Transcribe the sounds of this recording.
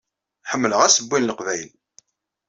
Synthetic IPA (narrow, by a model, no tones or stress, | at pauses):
ħəmːələʁæsəbːinləqvæjl